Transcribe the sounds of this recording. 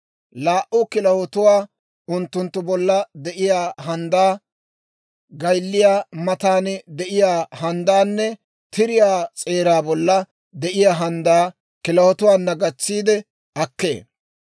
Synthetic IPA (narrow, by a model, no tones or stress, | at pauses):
laːʔʊkɪlɐhɔt̪ʊwaː | ʊnt̪ːʊnt̪ːʊbɔlːɐd̪ɛʔɪjaːɦɐnd̪aː | ɡɐjlːɪjaːmɐt̪aːnd̪ɛʔɪjaːhɐnd̪aːnːɛ | t̪ɪɾɪjaːt͡sʼe̞ːɾaːbɔlːɐ | d̪ɛʔɪjaːɦɐnd̪aː | kɪlɐhɔt̪ʊwaːnːɐɡɐt͡sːiːd̪ɛ | ɐkːe̞̰ː